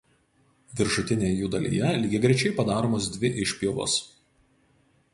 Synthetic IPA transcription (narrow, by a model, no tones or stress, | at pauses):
ʋʲɪɾʃʊt̪ʲɪnʲeːjɛjuːd̪ɐlʲḭːjɛlʲiːɡʲɛɡɾʲɛɪt͡ʃʲɛɪpɐd̪ɑːɾoːmoːsd̪ʲʋʲɪʔɪʃʲpʲjoʋo̰ːs